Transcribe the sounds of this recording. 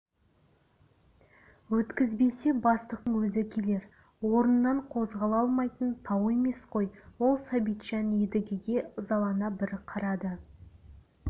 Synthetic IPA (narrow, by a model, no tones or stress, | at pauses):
wɵt̪kʲɪzbe̞se̞bɑst̪əq̚t̪əɴwɵzɪkʲʰe̞le̞ɾ | wo̞ɾənːɑɴqʰo̞zʁɑlˠɑlˠmɑjt̪ənt̪ʰɑwe̞me̞sqʰo̞jwo̞lˠsɑbijt̪ʃɑned̪ɪɡʲɪɡʲe̞zɑlˠɑnɑbɪɾɪqʰɑɾɑd̪ə